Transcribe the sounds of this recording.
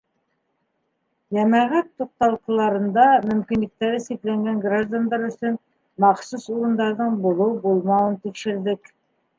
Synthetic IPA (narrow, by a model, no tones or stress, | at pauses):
jæmæʁæt̪ːuq̚t̪ɑlˠqɤ̆lˠɑɾɤ̆nd̪ɑmɵ̆mkinlɘ̆k̚t̪æɾɘsiklæŋɡæŋɡraʒd̪and̪ɑɾɵ̆sɵn | mɑχsusuɾɤ̆nd̪ɑɾðɤɴbulˠɤwbulˠmɑwɤnt̪ikʃɘ̆ɾd̪ɘk